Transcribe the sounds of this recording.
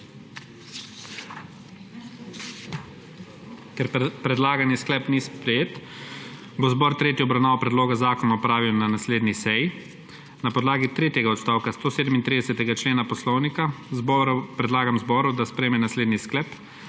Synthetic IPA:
kɛɾpɾɛd̪laːɡanisklɛpnispɾɛjeːt̪ | bozbɔɾt̪ɾeːt̪jiɔbɾawnaːʋapɾɛd̪loːɡazaːkɔnaɔpɾaːʋiwnanasleːd̪nisɛji | napɔd̪laːɡit̪ɾeːt̪jɛɡaɔt̪st̪aːwkast̪oːseːd̪əmint̪ɾid̪ɛsɛt̪ɛɡat͡ʃleːnapɔslɔwnikazbɔɾpɾɛd̪laːɡamzbɔːɾud̪aspɾɛjmɛnasleːd̪nisklɛːp

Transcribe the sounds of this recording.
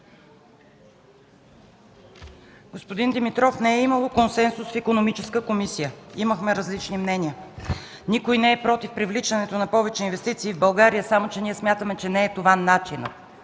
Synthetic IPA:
ɡ̥ospod̪ind̪imit̪ɾɔfnɛɛimɐlˠokonsɛnsusfikonomit͡ʃɛskəkomisijəiməxmɛɾɐzlit͡ʃnimnɛniə | nikojnɛɛpɾɔt̪ifpɾivlit͡ʃɐnɛt̪onɐpɔvɛt͡ʃɛinvɛst̪it̪siːvbɐlˠɡaɾijəsamot͡ʃɛniɛsmʲjat̪əmɛt͡ʃɛnɛːt̪ovanat͡ʃinə̰

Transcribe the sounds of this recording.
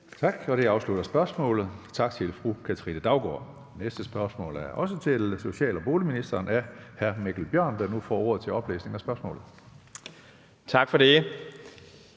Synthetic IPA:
t͡sʰɑ̈ɡ̥ɒ̽ɾ̥e̝ɑ̈ʊslud̥ɐsb̥ɶɐsmɔ̰̽ːlð̩ˠt͡sʰɑ̈ɡ̥t͡sʰe̝lfʁukʰæt͡sʰəʁḭnəd̥ɑ̈ʊɡ̥ɒ̰ː | nesd̥əsb̥ɶɐsmɔ̰̽ːlæɐʔɒ̽sət͡sʰe̝lso̝ɕɛ̰ːlɒb̥o̝ːliminisd̥ɐːnæhæɐmeɡ̥l̩b̥jɶɐ̰nd̥ɑnufɒ̰ːo̝ɐ̰ð̞̩ˠt͡sʰe̝ɒ̽b̥lḛːsne̝ŋɒ̽sb̥ɶɐsmɔ̰̽ːlð̩ˠ | t͡sʰɑ̈ɡ̥fɒde̝

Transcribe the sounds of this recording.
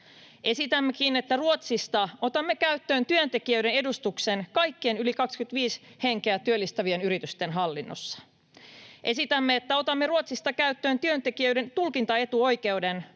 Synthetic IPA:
ʔe̞sit̪æmːekine̞t̪ːæruot̪sist̪ɑo̞t̪ɑmːe̞kæyt̪ːø̞ːnt̪yø̞nt̪e̞k̟iøɥde̞ne̞dust̪ukse̞nkɑjkːeenylikɑkskyt̪ʋiːshe̞ŋk̟eæt̪yølːist̪ɑʋie̞nyɾit̪yst̪e̞nɦɑlːinːo̰sːɑ̥ | ʔe̞sit̪æmːeet̪ːæo̞t̪ɑmːeruot̪sist̪ɑkæyt̪ːø̞ːnt̪yø̞nt̪e̞kiøɥde̞nt̪ulkint̪ɑe̞t̪uo̞jk̟e̞ude̞n

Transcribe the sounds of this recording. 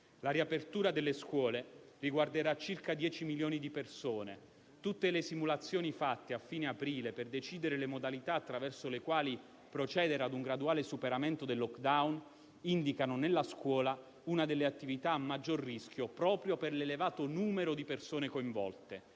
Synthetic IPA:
laɾiapert̪uːɾad̪elːeskwɔːleriɡward̪eɾat͡ʃirkad̪jɛːt͡ʃimiljoːnid̪ipersoːne | t̪ut̪ːelesimulat̪sːjoːnifat̪ːeafːiːneapɾiːleperd̪et͡ʃiːd̪eɾelemod̪alit̪aːt̪ːɾavɛrsolekwaːli | pɾot͡ʃɛːd̪eɾad̪uŋɡɾad̪uaːlesupeɾament̪od̪elːɔkd̪awn | ind̪ikanonelːaskwɔːla | unad̪elːeat̪ːivit̪aːmːad͡ʒːorːisk̟jopɾɔːpɾjoperlelevaːt̪onuːmeɾod̪ipersoːnekoiɱvɔ̰lt̪e

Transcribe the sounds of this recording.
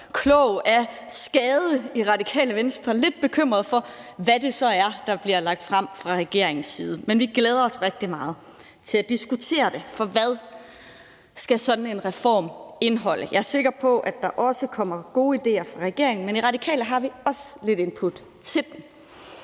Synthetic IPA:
kʰlɔʊʔæɐsɡ̥ɛːðˠəiʁɑ̈d̥ikʰɛ̰ːləʋensd̥ʁɐle̝d̥̚b̥e̝kʰøm̰ʁɐð̞ˠfɒ̽ʋæd̥e̝sɒ̽æɐd̥ɑ̈b̥liɐlɑ̈ɡ̥̚d̥fʁɑm̰fʁɑ̈ʁɛɡ̥e̝ɐ̰eŋn̩sːiːð̞ˠəmenʋiɡ̥leːð̞ˠɐɒ̽sʁeɡ̥̚d̥imɑ̈ːð̩ˠ | t͡sʰe̝læd̥isɡ̥ut͡sʰe̝̰ːɐd̥e̝fɒ̽ʋæð̞ˠ | sɡ̥æsɒ̽d̥n̩e̝nʁɛfɒ̰ːme̝nɦɒ̽l̰ʔəjɑ̈æɐse̝ɡ̥ɐpʰɒ̽ʔæd̥ɑ̈ʔɒ̽səkʰɒ̽m̰ɐɡ̥o̝ːid̥e̝̰ːɐfʁɑ̈ʁɛɡ̥e̝̰ɐe̝ŋn̩meniʁɑ̈d̥ikʰɛ̰ːləɦɑ̈ʋiɒ̽səle̝ɾe̝npʰud̥ | t͡sʰe̝ld̥em

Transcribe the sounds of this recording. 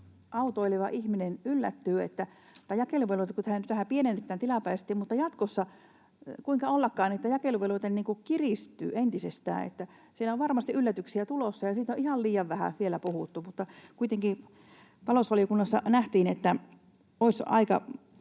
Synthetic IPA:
ʔɑut̪oiliʋɑʔihminenylːæt̪ːyːḛt̪ːæ | t̪ːæjɑkeluʋelut̪ekut̪æhænyt̪ʋæhæpienenet̪ːæːnt̪ilɑpæːst̪ːˑiːmmut̪ːɑjɑt̪kosːɑ | kuiŋkɑolːɑkːɑːnet̪ːæjɑkeluʋelut̪enniːŋkukirist̪ˑy̰ːent̪isest̪æ̰ːḛt̪ːæ | sielːæoʋʋɑrmɑst̪iʔylːæt̪yksiæt̪ulosːɑjɑsiːt̪oʔʔihɑlliːjɑʋʋæhæ̰ʋielæpuhut̪ːumut̪ːɑkuit̪eŋki | t̪ɑloˑsʋɑliokunːɑsːɑnæht̪iːnet̪ːæ | oisɑ̰ikɑ̰

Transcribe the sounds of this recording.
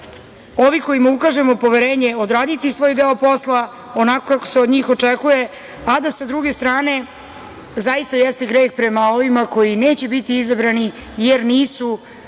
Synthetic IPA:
o̞ʋiko̞jimaukaʒe̞mopo̞ʋeɾeːɲeo̞d̪ɾaːd̪it̪isʋo̞ːjd̪eːo̞po̞sla | o̞nako̞kako̥seod̪ɲiːxo̞t͡ʂɛkuje | ad̪asad̪ɾuɡe̞st̪ɾaːne̞ | zaist̪ajɛst̪e̞ɡɾeːxpɾe̞mao̞ʋimako̞jine̞ːt͡ɕe̞bit̪iizabɾani | jeɾniːsu

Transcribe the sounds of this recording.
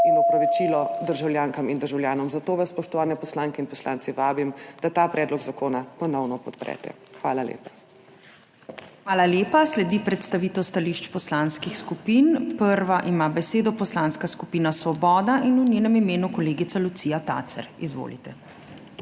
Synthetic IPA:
inɔpɾɔʋit͡ʃilɔd̪əɾʒawljaːŋkamind̪əɾʒawljaːnɔmzat̪oːʋasːpɔʃt̪ɔʋaːnɛpɔslaŋkɛinpɔsla̰ːnt̪siʋaːbimd̪̥at̪aːpɾɛːd̪lɔɡzakoːnapɔnɔwnɔpɔt̪pɾɛ̰t̪ɛ̰ | xʋa̰ːlalḛːpa | xʋaːlaljeːpaslɛd̪ipɾɛt̪st̪aʋiːt̪ɛwst̪aliːʃt͡ʃpɔslaːnskixskupinpəɾʋaʔimabɛseːd̪ɔpɔslanskaskupiːnasʋɔbɔːd̪aʔinunjeːnɛmimeːnukɔleːɡit̪salut̪siːjat̪a̰ːt̪sɛ̰ɾizʋo̰ːlḭt̪ɛ

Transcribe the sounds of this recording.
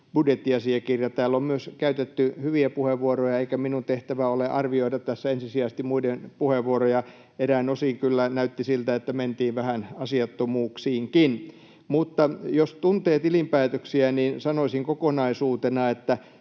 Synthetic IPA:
b̥udjet̪ːiɑsiɑkirjɑt̪æːlːommyøskæyt̪et̪ːyhyʋiæpuheʋʋuorojɑeikæminunt̪eht̪æʋæoleʔɑrʋioidɑtt̪æsːæensisiæst̪imuidenpuheʋːuorojɑ | eræinosiŋkylːænæyt̪ːisilt̪æet̪ːæment̪iːʋʋæhænɑsiɑt̪ːomuːksiːŋkin | mut̪ːɑjost̪unt̪eːt̪ilimpæːt̪øksiæniːnsɑnoisiŋkokonɑisuːt̪enɑet̪ːæ

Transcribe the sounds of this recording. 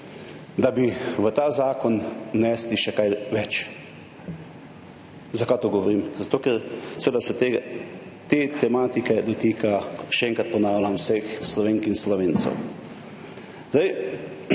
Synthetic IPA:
d̪abiʋət̪aːzaːkɔnnɛːsliʃɛkajʋɛt͡ʃ | zakat̪oɡɔʋɔɾiːmzat̪oːkɛɾsɛʋed̪asɛt̪eɡ | t̪et̪ɛmaːt̪ikɛd̪ɔt̪iːkʰaʃɛɛŋkɾat̪̚pɔnaːwlʲamwsexslɔʋeːŋkinslɔʋeːnt̪sɛ̰w | zd̪aj

